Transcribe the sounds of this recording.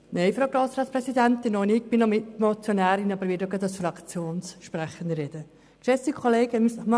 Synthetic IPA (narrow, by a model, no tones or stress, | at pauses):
neɪfɾowɡɾoːsɾɑːtspɾɛsid̪ænt̪ɪnɔnɪk̚b̥ɪnɔmɪt̪mot͡sjonæːɾɪnɑbəɾʋɪdoɡɑd̪ɑsfɾɑkt͡sjoːnsʃpɾæχən̩d̪ɾɛd̥̪ə | ʃɛsikʰχoleːɡəmysχmɑ